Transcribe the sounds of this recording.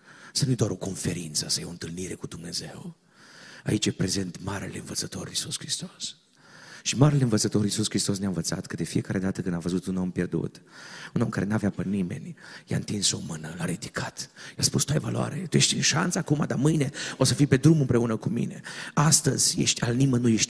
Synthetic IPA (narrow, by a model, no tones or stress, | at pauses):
sənujed̪oaɾo̞ko̞nfe̞ɾint̪səsəjaont̪ɨlniɾe̞kud̪umne̞ze̞w | ait͡ʃjepɾe̞ze̞nt̪maɾḛleɨnvət̪sət̪o̞̰ɾisuskɾist̪o̞s | ʃimaɾeleɨnvət̪sət̪o̞ɾisuskɾist̪o̞s̬nanvət̪sa̰t̪kəd̪e̞fije̞kaɾʔe̞d̪at̪əkɨnd̪avəzut̪uno̞mpje̞rd̪ṵt̪uno̞mkaɾe̞naveapənime̞̰nʲja̰ɨnt̪inso̞mɨnəlaɾid̪ikʰat̪jaspust̪uajvaloa̰ɾet̪ujeʃt̪ʲɨnʃa̰nsəakumad̪amɨjne̞o̞səfijpe̞d̪ɾumɨmpɾe̞unəkumḭne̞ast̪əzʲjeʃt̪ʲalnimənujeʃt̪ʲ